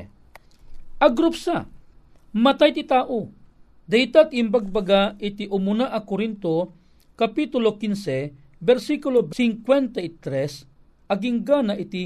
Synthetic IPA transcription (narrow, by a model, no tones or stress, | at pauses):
ʔɐɡɾupsa | mɐt̪ajt̪it̪aːʔo | d̪ɐjt̪at̪imbaɡ̚baɡaʔit̪iʔʊmʊnaʔɐkoɾint̪o | kɐpit̪ʊlokinsɛ | bɛɾsikulobsiŋkwɛnt̪ait̪ɾɛs | ʔɐɡiŋɡanaʔit̪i